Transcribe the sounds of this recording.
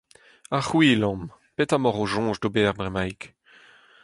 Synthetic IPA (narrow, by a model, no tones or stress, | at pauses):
aχwilɔ̃m | petamɔʁoʒɔ̃ːʒdobɛːʁbʁɛmajk